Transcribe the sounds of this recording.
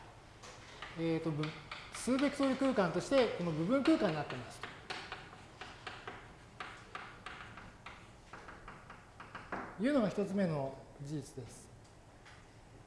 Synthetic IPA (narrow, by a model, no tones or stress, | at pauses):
eːt̪ːo̞bsɨːbe̞kʲi̥so̞ːjɯ̟kɯ̟ːkãnt̪o̞ɕi̥t̪e̞ko̞no̞bɯ̟bɯ̟̃ŋkɯ̟ːkãɲ̟inat̪ːeimaɕi̥t̪ḁ | jɯ̟ːno̞ɡaçi̥t̪ot͡sɨme̞no̞d͡ʑiːt͡sɨd̪e̞sɨ̥